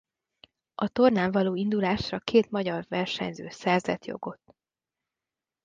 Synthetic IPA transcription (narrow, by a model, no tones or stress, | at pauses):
ʔɒt̪o̞rnaːɱvɒloːind̪ulaːʃrɒkeːt̪mɒɟɒrvɛrʃɛ̰ɲzø̰ːsɛrzɛ̰t̪jo̞̰ɡo̞t̪ː